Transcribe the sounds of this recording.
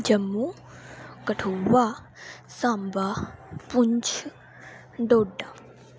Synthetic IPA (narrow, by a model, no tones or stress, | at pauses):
d͡ʒɐmːu | kɐʈʰowa | sãːmbapuɲt͡ʃʰ | ɖoːɖa